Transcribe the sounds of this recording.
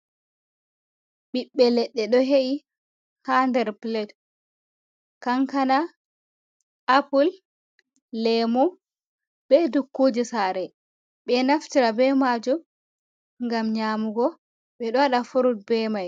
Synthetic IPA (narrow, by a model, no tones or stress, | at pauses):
ɓiɓːɛlɛɗːɛɗɔɦeʔi | handɛɾplɛt | kaŋkana | ʔapulː | ɛmu | bɛdukːud͡ʒisaːɾɛ | ɓɛnaftiɾabɛmad͡ʒum | ŋɡamɲaːmuɡɔ | ɓɛɗɔwaɗafuɾut̚bɛmaj